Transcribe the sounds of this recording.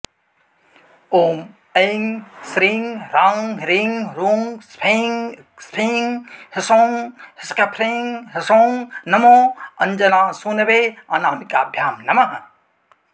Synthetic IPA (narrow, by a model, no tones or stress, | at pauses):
oːm | ejŋsɾiŋɾãːŋɾiŋɾuːŋspʰeŋ | spʰĩːŋhɪsoːŋhɪskɐpʰɾeːŋɦɪsoːŋnɐmoːɐɲd͡ʒɐnãːsuːnɐʋeːaːnaːmika̰ːbʱjaːmnɐmɐɦɐ